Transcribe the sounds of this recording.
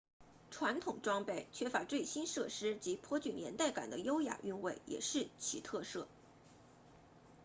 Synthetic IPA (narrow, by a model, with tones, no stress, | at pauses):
ʈ͡ʂʰwa˧˥nt̪ʰʊ˨˩ŋʈ͡ʂwɑ˥ŋpe˥˩ɪt͡ɕʰɥɛ˥fa˧˥t͡swe˥˩ɪɕi˥nʂɤ˥˩ʂɻ̩˥t͡ɕi˧˥pʰwɔ˥t͡ɕy˨˩njɛ˧˥nt̪a˥˩ɪka̰˨˩nd̪ə˦jo˥ʊja̰˨˩ʔy˥˧nwe˥˩ɪjɛ̰˨˩ʂɻ̩˥˩t͡ɕʰi˧˥t̪ʰɤ˥˧sɤ˥˩